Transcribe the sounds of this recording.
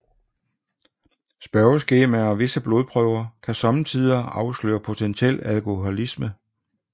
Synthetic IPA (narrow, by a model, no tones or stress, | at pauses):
sb̥ɶɐsɡ̥e̝ːmæɒʋe̝səb̥lo̝ðˠpʰʁœʊ̰ɐkʰæsɒ̽mt͡sʰið̰ˠɐɑ̈ʊslø̰ːɐpʰo̝t͡sʰenɕel̰ælkʰo̝ɦolismə